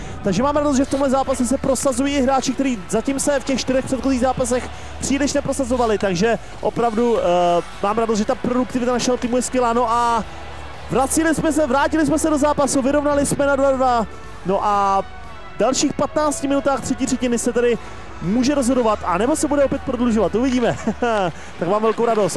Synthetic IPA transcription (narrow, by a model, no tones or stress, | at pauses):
t̪aɡʒɛmaːmɾados̬t̪ʒɛft̪o̞mɦlɛzaːpasɛsɛpɾo̞sazujiːɪɦɾaːt͡ʃɪkt̪ɛɾiːzacimsɛfcɛxʃt̪ɪɾɛxpr̥ɛt̪xoziːɣzaːpasɛx | pr̝̥iːlɪʃnɛpɾo̞sazovalɪt̪aɡʒɛ | ʔo̞pɾavdu | maːmɾados̬t̪ʒɛt̪apɾo̞duk̚t̪ɪvɪt̪anaʃɛɦot̪iːmujɛskvɛlaːno̞ʔa | vɾat͡sɪlɪsmɛs̬ɛvɾaːcɪlɪs̬mɛsɛdo̞zaːpasuvɪɾo̞vnalɪsmɛnadvadva | no̞ʔa | dalʃiːxpat̪naːt͡scɪmɪnut̪aːxt̪r̥ɛciːrɛcɪnɪsɛt̪ɛdɪ | muːʒɛɾozɦodo̞vat̪ʔanɛbo̞sɛbudɛopjɛt̪̚pɾo̞dluʒovat̪ʔuvɪɟiːmɛ | t̪akmaːmvɛlkowɾadost̪